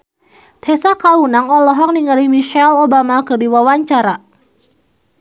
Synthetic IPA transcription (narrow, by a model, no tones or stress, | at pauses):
t̪ʰɛsakaunaŋɔlɔɦɔk̚niŋaɾimiʃɛlobamakɨdiwawaɲt͡ʃaɾa